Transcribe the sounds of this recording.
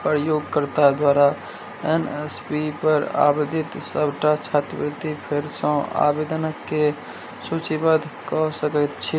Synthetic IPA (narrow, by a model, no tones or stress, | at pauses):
pɾəjoːɡkəɾt̪ad̪waːɾa | enespipəɾa̰bəd̪ʱɪt̪səbʱʈat͡ʃʰat̪bət̪ipʰeɾsə̃a̰bed̪ənəkːe | sut͡ʃibəd̪ʱkɔɦsəkət̪t͡ʃʰi